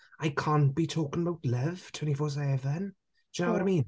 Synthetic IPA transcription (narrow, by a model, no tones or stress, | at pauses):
ajkʰaːntb̥itʰoːkɪ̃ŋəbawtləv̥tʰw̥ɛ̃ntifɔːs̬ɛvən̥ | d͡ʒ̥awɔɾaɪmĩːn